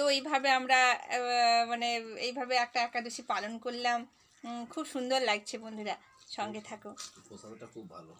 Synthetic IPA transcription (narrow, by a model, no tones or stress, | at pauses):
t̪oejbʱabeamɾa | maneejbʱabeɛk̚ʈaɛkːad̪oʃipalonkoɾlam | kʰubʃund̪oɾlaɡ̚t͡ɕʰebond̪ʱuɾa | ʃɔŋɡet̪ʰako | alo